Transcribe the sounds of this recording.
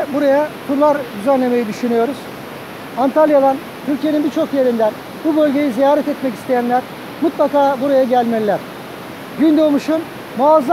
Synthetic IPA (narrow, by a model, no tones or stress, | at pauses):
buɾajakʰuɾlˠaɾd̪yzænlʲe̞me̞jid̪yʃynyjo̞ɾuz̥ | ant̪ʰalʲjad̪an | t̪ʰyɾʲcʰije̞ninbiɾt͡ʃʰo̞kje̞ɾind̪æn | bubø̞lʲɟe̞jizijaːɾɛt̪ɛt̪mɛcist̪ʰe̞jænlʲæɾ | mut̪lˠakaːbuɾajaɟælʲmælʲlːʲæɾ̥ | ɟynd̪omuʃun | maːzlˠ